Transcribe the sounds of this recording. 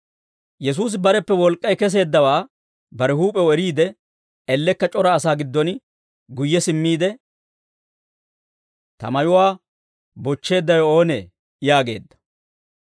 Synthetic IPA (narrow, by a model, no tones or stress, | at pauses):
jɛs̬uːs̬ɪbɐɾɛpːɛwɔlkʼːɐjkɛs̬e̞ːd̪ːɐwaː | bɐɾɛɦuːpʼɛwɔɛɾiːd̪ɛ | ɛlːɛkːɐt͡ʃʼɔɾɐːsaːɡɪd̪ːɔn | ɡʊjːɛsɪmːiːd̪ɛ | t̪ɐ̰mɐjʊwaː | bɔt͡ʃːe̞ːd̪ːɐjɔo̞ːneː | ɪjaːɡe̞̰ːd̪ːɐ̥